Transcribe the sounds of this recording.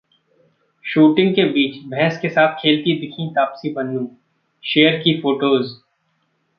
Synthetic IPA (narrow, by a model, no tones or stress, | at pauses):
ʃuːʈɪ̃ŋɡkebiːt͡ʃbʱɛ̃ːskesaːt̪ʰkʰeːlt̪id̪ɪkʰĩt̪aːpsibɐnːũː | ʃeːəɾkifoːʈoːz